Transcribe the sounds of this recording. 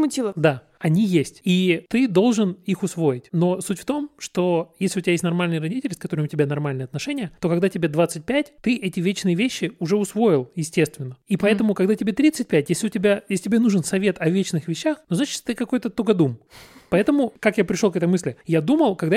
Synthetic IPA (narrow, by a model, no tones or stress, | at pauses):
mʊtʲilˠəd̪a | ɐnʲijesʲtʲit̪ɨd̪o̞lˠʐɨnixʊsvo̞jɪtʲno̞sutʲft̪o̞mʂt̪o̞jesʲlʲɪʊtʲɪbʲjesʲtʲnɐrmalʲnɨjərɐdʲitʲɪlʲskɐt̪o̞ɾəmʊtʲɪbʲanɐrmalʲnɨjɐt̪nɐʂɛnʲɪjət̪o̞kɐɡd̪atʲɪbʲed̪vat̪sɨt̚ʲpʲætʲt̪ɨʔɛtʲɪvʲet͡ɕnɨjəvʲeɕːɪʊʐɛʊsvo̞jɪlˠjɪsʲtʲe̞st̪vʲɪnːəipɐɛt̪əmʊkɐɡd̪atʲɪbʲet̪ɾʲit̪sɨt̚ʲpʲætʲjesʲlʲɪʊtʲɪbʲajesʲɪtʲɪbʲenuʐɨnsɐvʲe̞t̪ɐvʲet͡ɕnɨxvʲɪɕːaxnoznat͡ɕɪ̥tt̪ɨkɐko̞jt̪ət̪oɡɐd̪umpɐɛt̪əmʊkakjapɾʲɪʂlokɛt̪əjmɨsʲlʲɪjad̪uməlˠkɐɡd̪a